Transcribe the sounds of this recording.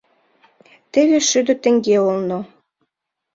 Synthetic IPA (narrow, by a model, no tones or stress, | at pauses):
t̪eβeʃyd̪ø̆t̪ə̆ŋɡeolno